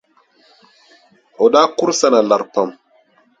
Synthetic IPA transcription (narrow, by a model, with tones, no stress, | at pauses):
ʔɔ˨ɗa˦ku˦ɾsa˦na˨la˨ɾpa˨m